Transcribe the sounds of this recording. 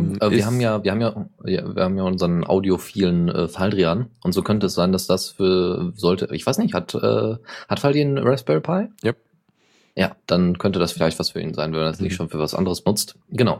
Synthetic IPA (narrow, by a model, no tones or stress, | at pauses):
ʔɛiɐɦaːbm̩jaːviɐhaːmjaːja̰vḭːɐhaːbmjaːʔʊnzɐʁənʔa̰ʊdiofiːlənʔɛ̰ːfaldʁianʔʊntz̥oːkʰœntəɛsz̥aɪndasd̥asfyːɐzɔltəʔɪçv̥aɪsnɪçthatʔɛ̰ːhatfaldiːnʁɛsb̥ɛpʰaɪja | ja̰ːd̥ankʰœntədasfɪlaɪçtv̥asfyːɐʔḭːnzaɪnvɛnmandasnɪçʃoːnfyːɐvasʔa̰ndəʁ̞əsb̥ənʊt͡st | ɡ̥ənaʊ